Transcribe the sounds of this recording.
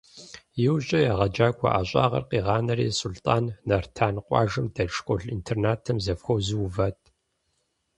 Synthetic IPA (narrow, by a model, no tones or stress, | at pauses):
jɪwɕʼɐjaʁɐd͡ʒaːkʷʰʼɔ̰ʔaːɕʼɑ̰ːʁɐ̰rqiːʁɑːnɐrḭːsultʼaːnːɐrtʰaːnqʷʼɑ̰ːʒɨmdɐʂkʷʼɔɮintʰernaːtʰɐmzɐfxʷɐwzɨwvɐtʰʼ